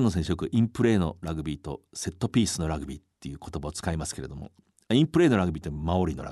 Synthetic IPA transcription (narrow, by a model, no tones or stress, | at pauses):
nːos̬ẽsjokɯ̟ʔĩmpɯ̟ɾe̞ːno̞̰ɾaɡɯ̟bʲiːt̪o̞̰se̞t̪ːo̞pʲiːsɨno̞ɾaɡɯ̟bʲiːt̪ːe̞jɯ̟ːkot̪o̞baot͡sɨ̥kaimasɨ̥ke̞ɾe̞d̪omo̞̰ | aĩmpɯ̟ɾe̞ːno̞ɾaɡɯ̟bʲiːt̪omao̞ɾʲino̞ɾa̰